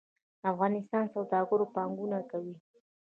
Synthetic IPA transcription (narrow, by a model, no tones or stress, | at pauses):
afɣɑnɪst̪ɑnsawd̪ɑɡʊɾopaŋɡʊnakawi